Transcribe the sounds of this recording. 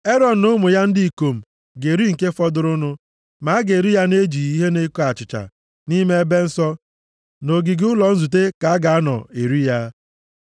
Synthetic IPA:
e˦ɾɔ˨n̩˨nʊ˦mʊ˨ja˦n̩˦di˦i˨ko˨m̩˨ | ɡe˨ɾi˦ŋ̩˨ke˦fɔ˦dʊ˦ɾʊ˦nʊ˦ | ma˨˦ɡe˨ɾi˦ja˦ne˦d͡ʒi˨i˦ɦe˦ne˦ko˦a˨t͡ʃɪ˨t͡ʃa̰˨ | ni˦me˦e˦be˦n̩˦sɔ˦ | no˨ɡi˨ɡʊ˦lɔ˨n̩˦zu˨t̬e˦ka˨a˦ɡa˨a˦nɔ̰˨e˨ɾi˦ja˦

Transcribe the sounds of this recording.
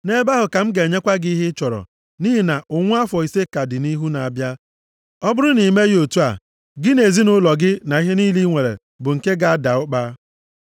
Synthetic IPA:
ne˦ba˦ɦʊ˨ka˨m̩˦ɡe˨ɲe˦kʷa˦ɡɪ˦i˦ɦɪ˦t͡ʃɔ˨ɾɔ̰˨ | niː˦ɦi˨na˨ʔʊ˨ŋʷʊ˦a˦fɔ˨i˨se˦ka˨dɪ˨ni˦ɦu˦na˨a˨bja˦ | ɔ˦bʊ˦ɾʊ˦ni˨me˦ɣo˨tu˦a˨ | ɡɪ˦ne˨zi˦nʊ˦lɔ˨ɡɪ˦na˨i˦ɦe˦niː˦li˦ŋʷe˨ɾḛ˨ | bʊ˨ŋ̩˨ke˦ɡa˨a˦da˨ʊ˦k͡pa˦

